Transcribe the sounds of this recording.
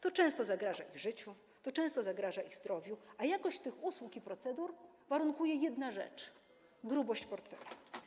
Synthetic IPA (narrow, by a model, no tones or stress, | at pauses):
t̪ɔt͡ʂɛ̃st̪ɔzaɡɾaʐaʔiɣʐɘt͡ɕu | t̪ɔt͡ʂɛ̃w̃st̪ɔzaɡɾaʐaʔiɣzd̪ɾɔvʲjuajakɔɕt͡ɕt̪ɘxuswukipɾɔt̪sɛd̪uɾ | vaɾuŋkujɛjɛd̪naʐɛ̰t͡ʂ | ɡɾubɔɕt͡ɕpɔɾt̪fɛ̰lu